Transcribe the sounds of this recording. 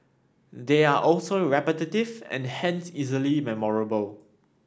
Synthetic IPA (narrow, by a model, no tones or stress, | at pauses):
deaʔɔlsoɹɛpətətɪvɛ̰̃nhɛ̃nsizəlimɛmɔɹəbəl